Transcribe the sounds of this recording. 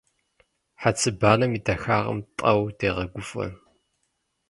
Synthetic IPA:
ħat͡sʰɨbaːlɐmidɐxaːʁɐ̰mtʼɐwdeːʁɐɡʷʊfɐ̰

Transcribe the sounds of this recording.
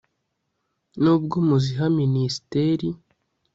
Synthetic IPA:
nuːb̚ɡomuziɦaminisi̥teɾi

